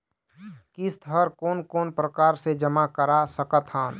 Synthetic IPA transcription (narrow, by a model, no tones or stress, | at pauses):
kist̪ʰəɾkoːnkoːnpɾəkaːɾsed͡ʒəmakəɾasəkət̪ɦaːn